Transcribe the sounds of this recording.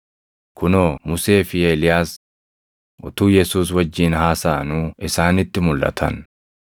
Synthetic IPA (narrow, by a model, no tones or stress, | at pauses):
kʰʊnoːmʊse̞ːfɪeːlɪjaːs | ʔɔt̪uːjɛsuːs̬wɐd͡ʒːiːnhaːsaːnuːɪsaːnɪt̪ːɪmʊlʔɐ̰t̪ʰɐ̰n